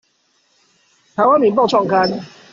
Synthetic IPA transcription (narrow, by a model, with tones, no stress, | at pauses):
pʰa˨˦wa˥n˨mi˨˦np̬a˥˧t͡ɕʰwɔ˥˩ŋkʰa˦˥n